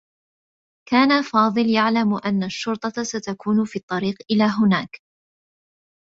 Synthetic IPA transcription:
kaːnafɑːðˤɨljaʕlamʔanːaʃːʊɾt̪ˤɑsat̪akʰuːnfiːt̪ˤːɑɾiːqʔɪlaːɦʊnaːk

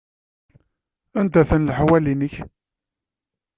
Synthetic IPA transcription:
ænd̪æθənlħwælinəç

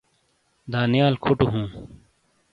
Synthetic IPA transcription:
d̪aːnijaːlkʰoʈuɦũː

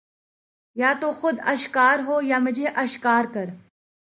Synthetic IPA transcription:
jaːt̪oxʊd̪ɐʃkaːɾɦoːjaːmɪd͡ʒʱeʔɐʃkaːɾkɐɾ

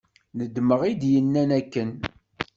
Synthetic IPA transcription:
nəd̪məʁid̪jənːænækːən

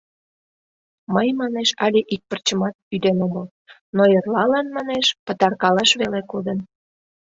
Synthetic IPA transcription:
məjmɑneʃɑlʲeʔik̚pərt͡ɕəmɑt̪̚yd̪enoməl | nojerlɑlɑnmɑneʃpət̪ɑrkɑlɑʃβelekod̪ən

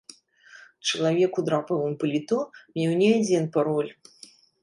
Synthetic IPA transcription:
t͡ʂɐlˠavʲɛkud̪ɾapɨvɨmpɐlʲit̪ɔmʲɛwnʲɛd͡zʲɛnpaɾɔlʲ

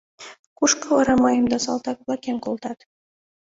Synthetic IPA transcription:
kuʃkɤ̆ɤɾɑmɑjɤ̆md̪ɑsɑ̰lˠt̪ɑkvlˠɑkʲenkolˠt̪ɑt̪

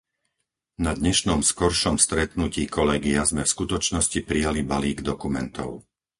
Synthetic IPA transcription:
nad̪ɲɛʃnɔmskɔɾʃɔmst̪ɾɛt̪nuciːkʰɔlɛɡiazmɛfskut̪ɔt͡ʃnɔscipɾijalibaliːɡd̪ɔkumɛ̰nt̪ʰɔ̰ʊ

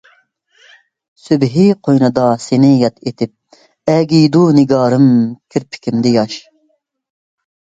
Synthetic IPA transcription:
sybɦiqʰojnɨd̪ɑsenɪjɛt̪ʰet̪ʰɪp̚ | ɛɡʲijd̪unɪɡɑːɾɨmkʲʰɪɾpʰɪ̥kʲʰimd̪ɪjɑʃ

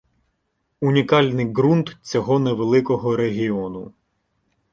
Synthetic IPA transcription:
unʲikɑlʲnɪjɡɾunt̪t͡sʲɔɦɔneʋelˠɪkɔɦɔɾeɦʲiɔnʊ

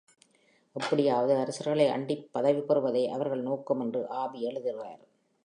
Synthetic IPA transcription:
ʔɛpːɐɽɪjaːʋɐðɯɐɾɐsɐɾɣɐɭɐɪʔɐ̰ɳɖɪpːɐðɐʋipɐɾɯʋɐðɐɪʔɐʋɐɾɣɐɭnoːkːɐmɛndrɯʔaːbiɛɭɯðɪrɯʋa̰ːɾ

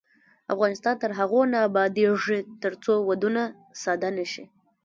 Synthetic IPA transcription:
a̰fɣɑnɪst̪ɑnt̪əɾɦaɣonaːbɑd̪eʐit̪əɾt͡sowad̪una | sɑd̪anaʃi

